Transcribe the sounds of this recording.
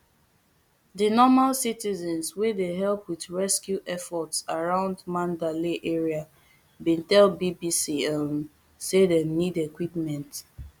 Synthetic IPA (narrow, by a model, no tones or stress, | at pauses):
dinɔmalsitizɛ̃nswedeɦɛlpwiðɹɛskjuʔɛfɔtsaɹãʊ̃ndmãndaliʔeɹia | bĩntɛlbibisiɛm | sedɛ̃nidekwipmɛ̃nt